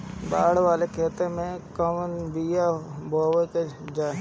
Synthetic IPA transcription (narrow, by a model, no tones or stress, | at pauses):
baːɽʋaːlekʰeːt̪emẽkəmnbijabʱoːʋeked͡ʒaː